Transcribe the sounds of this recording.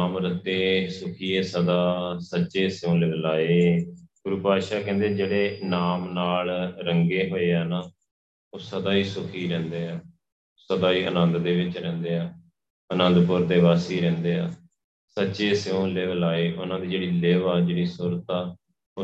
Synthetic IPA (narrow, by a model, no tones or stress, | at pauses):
mɾət̪eːsʊkʰiːeːsəd̪aːsətːʃeːsɪjõːleʋlaːeːɡʊɾupaːʃaːkɛ̃ːnd̪ed͡ʒeːɽeːnaːmnaːlɾəŋɡeːɦoːeːɛːnaː | oːsəd̪aːiːsʊkʰiːɾɛ̃ːnd̪eːaː | osəd̪aːiːʔə̰nənd̪d̪eːʋɪt͡ʃɾɛ̃ːnd̪eːaː | ənənd̪pʊɾd̪eːʋaːsiːɾɛ̃ːnd̪eːaː | sətːʃeːsõːleːʋəlaːeːʔʊnãːd̪iːd͡ʒeːɽiːleːʋaːd͡ʒeːɽiːsʊɾt̪aː | o